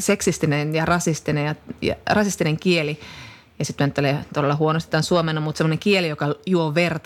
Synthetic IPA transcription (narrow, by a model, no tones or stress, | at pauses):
seksist̪inenjɑrɑsist̪inejɑjɑ̰rɑsist̪ineŋkieli | jɑsit̪myænt̪ːeleːt̪odelːɑhuonost̪it̪ːænsuomenɑmut̪semːoneŋkielijokɑjuoʋert̪